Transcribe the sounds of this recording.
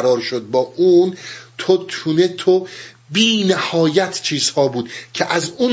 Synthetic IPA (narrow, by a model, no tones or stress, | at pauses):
ɾɒːɾʃod̪̚bɒːʔuːnt̪ʰot̪ʰuːnet̪ʰo | biːnæhɒːjæt̪ʰt͡ʃʰiːzhɒːbuːd̪̚cʰeʔæzuːn